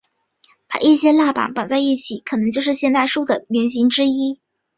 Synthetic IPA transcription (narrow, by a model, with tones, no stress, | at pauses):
pa̰˨˩i˥˩ɕjɛ˥la˥˩pa̰˨˥˦npɑ˨˩ŋt͡sa˥˧ɪi˥˩t͡ɕʰi˨˩˦kʰɤ˨˩nɤ˧˥ŋt͡ɕjo˥˧ʊʂɻ̩˥˧ɕjɛ˥˧nt̪a˥˧ɪʂu˥˩d̪ə˩mjɛ˧˥nɕ̬i˧˥ŋʈ͡ʂɻ̩˥i˥